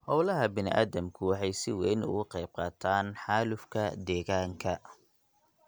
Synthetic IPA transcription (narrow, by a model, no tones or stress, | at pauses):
hɔwlɐɦɐbɪnɪ̰ʔa̰ːðɐmkʰʊwɑħɑjsɪwɛjnʊ̰ɣʊqɑjb̚qɑːt̪ʰaːnħɑːlʊfkʰɐd̪ɛːɣaːŋkʰɐ